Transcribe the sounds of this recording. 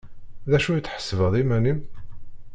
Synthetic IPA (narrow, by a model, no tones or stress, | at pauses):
ðæʃujət͡sːħə̥sːvəðˤimænim